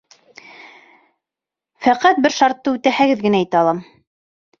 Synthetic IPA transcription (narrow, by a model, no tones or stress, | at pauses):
fæqæt̪̚bɘɾʃɑɾt̪ːɤʉt̪æhæɡɘðɡɘ̆næit̪æɑlˠɑm